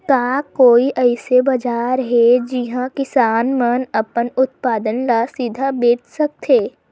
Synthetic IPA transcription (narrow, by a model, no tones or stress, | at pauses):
kaːkoːiʔɛɪsebɐd͡ʒaːɾɦɛd͡ʒɪɦãkɪsaːnmənɐpənʊt̪̚paːd̪ənlasid̪ʱabeːʈsɐk̚t̪ʰeː